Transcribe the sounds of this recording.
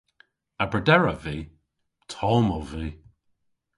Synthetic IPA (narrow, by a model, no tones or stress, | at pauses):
abɹədɛɹəviː | tʰɔlmɔwviː